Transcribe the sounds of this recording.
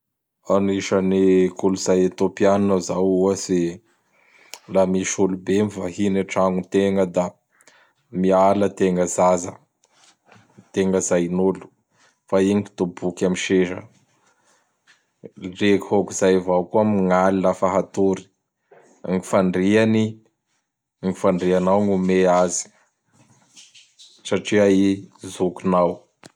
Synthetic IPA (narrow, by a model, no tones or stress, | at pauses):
aniʃanikuluzajet̪opianunəzawuasi | lamiʃulubemivahineʈ͡ʂaŋut̪eŋəd̪a | mialət̪eŋəzazə | t̪eŋɡəzajnulu̥ | faiŋiki̥t̪ubukʲamiʃeʃə̰ | rekhokuzajvawkuamiŋalilafaɦat̪uɾi̥ | ŋifaɳɖ͡ʐiani | ŋifaɳɖ͡ʐianawŋumeazi̥ | saʈ͡ʂiaizukunaw